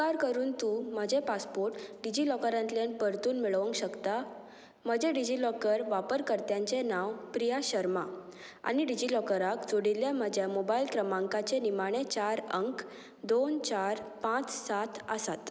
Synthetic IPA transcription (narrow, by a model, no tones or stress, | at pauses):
kaɾkəɾuːnt̪uːm̤əd͡ʑepaspoɾʈɖid͡ʑilɔkəɾãnt̪ljanpəɾt̪uːnmiɭəʋəŋkɕəkt̪a | m̤əd͡ʑeɖid͡ʑilɔkəɾʋapəɾkəɾt̪jaɲt͡senaʋpɾijaɕəɾma | a̰ñiɖid͡ʑilɔkəɾakd͡zoɽiljam̤əd͡ʑjamobailkɾəmãŋkat͡senimaɽ̃et͡ɕaɾəŋk | d̪ont͡ɕaɾpãt͡ssat̪ʰə̰sat̪